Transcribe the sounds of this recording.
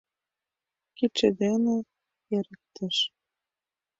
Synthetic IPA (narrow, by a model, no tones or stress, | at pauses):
kit͡ʃed̪enĕ | jeɾə̆k̚t̪ĕʃ